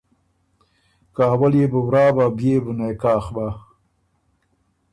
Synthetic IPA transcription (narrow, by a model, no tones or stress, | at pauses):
kaːwaljebəwɾɑːbabjebənajkɑːxba